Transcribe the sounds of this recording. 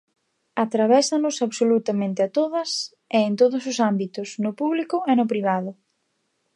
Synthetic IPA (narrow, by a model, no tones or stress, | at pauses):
at̪ɾaβɛsɐnʊsaβsolut̪ɐmẽnt̪ɪat̪oðɐs | eːnt̪oðʊs̬ʊsambit̪ʊsnʊpuβlikʊenʊpɾiβ̞aðʊ